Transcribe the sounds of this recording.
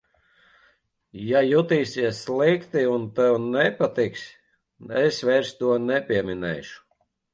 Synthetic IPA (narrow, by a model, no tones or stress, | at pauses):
jajut̪iːsiɛsːlˠikt̪iunt̪ɛwnɛpat̪iksʲ | ɛsvɛjɾst̪uɔnɛpʲiɛminɛ̰jʃu̥